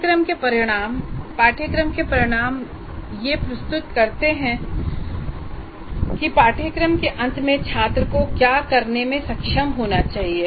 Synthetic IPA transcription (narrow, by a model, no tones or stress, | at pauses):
kɾəmkepɐɾɪɽ̃aːmpaːʈʰjəkɾəmkepɐɾɪɽ̃aːm | jepɾɐst̪ʊt̪kɐɾt̪eɦɛ̃ | kipaːʈʰjəkɾəmkeʔɐ̃nt̪mẽt͡ʃʰaːt̪ɾəkokjaːkɐɾnemẽsɐkʃəmɦoːnat͡ʃaːɦie